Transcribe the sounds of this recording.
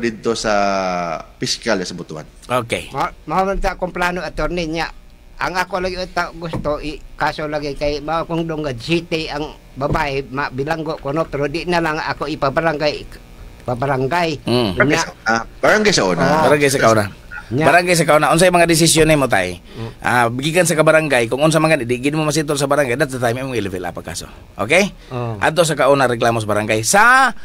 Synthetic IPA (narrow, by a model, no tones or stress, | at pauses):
did̪̚t̪osa | piskalasabut̪ua̰n | okḛmamaomant̪aʔkomplanuat̪orniɲaʔ | a̰ŋakolaɡiut̪aʔɡust̪uikasolaɡikaimaokuŋdʊŋɡasit̪eaŋ | babaemaʔbilaŋɡoʔkonopeɾodiʔnalaŋakoipabaɾaŋɡaj | pabaɾaŋɡaiɲaabaɾaŋɡajsaɔ̰na̰baɾaŋɡajsakauna | ɲabaɾaŋɡajs̬akaɔnaɔnsaimaŋadis̬isiɔnimɔt̪̬a̰ḭʔa̰biɡikans̬akabaɾaŋɡajkɔŋɔns̬amakanidiɡinimɔmas̬it̪̬ɔns̬abaɾaŋɡajdat̪̚sat̪aimemɔŋilɛvɛla̰paka̰sɔ̰ | ʔo̰kej | ʔa̰t̪ɔs̬akaɔnaɾɛk̬lamɔs̬abaɾaŋɡajsa